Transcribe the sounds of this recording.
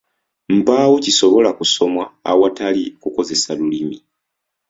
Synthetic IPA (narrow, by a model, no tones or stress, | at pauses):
m̩paːwociso̞βo̞lakuso̞mwaːwatalikuko̞ze̞salulimi